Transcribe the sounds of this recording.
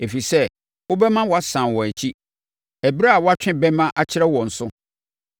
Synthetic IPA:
e˨fi˨sɛ˦ | wʊ˦bɛ˦mã˦wɔ˨a˨sã˨nwɔ̃˨æ˨t͡ɕʰi˦ | æ˨bi˦ɾa˦a˨wɔ˦a˦t͡ɕᶣɪ̃˦bɛ˦mã˦ʔa˦t͡ɕʰɪ˦ɾɛ˦wɔ̃˨n̩˨sʊ˦

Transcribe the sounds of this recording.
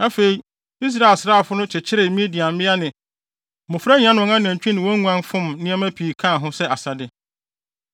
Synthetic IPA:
a˦fe˨i˨ | i˦s̬ɾa˦˨e˨lsɾaː˨˦˨fʊ˦nʊ̃˦t͡ɕʰɪ˨t͡ɕʰɪ˦ɾɪ˨mĩ˦di˨ã˨m̩˦mɪ̃˦a˦nɪ̃˨ | mʊ̃˨fɾa˦ɲ˦ã˦nʊ̃˨ŋã˦nɪ̃˨ɛ̃˨ɲ˨t͡ɕᶣĩ˦nɪ̃˨wo˦ŋu˦ã˦n˦fʊ̃˦mnɪ̃˦ɛ˦mæ̃˦pʰiː˨kʰã˦˨ɦʊ̃˦sɛ˦ʔa˨sa˨dɪ˦

